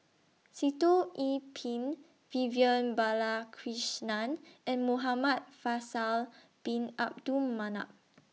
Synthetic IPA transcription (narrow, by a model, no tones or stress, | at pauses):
sitoʔipʰĩn | viviə̃nbalakʰɹiʃnãnʔɛ̃nmoɦamat̚fasal | b̥ĩnap̚dumːana̰ʔ̚